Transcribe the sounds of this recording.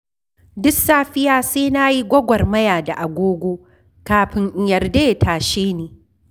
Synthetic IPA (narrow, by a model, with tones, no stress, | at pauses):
dʊ˦ksaː˦ɸɪ˦jaː˦seː˦na˦ji˦ɡʷɐ˦ɡʷɐ˨rmɐ˦jaː˨da˨ʔa˨ɡʷoː˦ɡʷoː˦ | kaː˨ɸɪ˦ŋʔɪ˨˦jɐ˨rdeː˦˨tʰaː˨ʃeː˦neː˨